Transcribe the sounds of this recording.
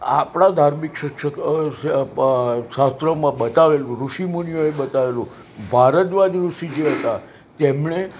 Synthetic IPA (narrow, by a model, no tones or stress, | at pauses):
a̰pɳ̃ad̪ʱaɾmikʃəkʃək | ʃast̪ɾəmãbət̪aʋelũɾuʃimunjoebət̪aʋelũ | bʱaɾət̪ʋad̪ɾuʃid͡ʒeɦət̪a | t̪emɳe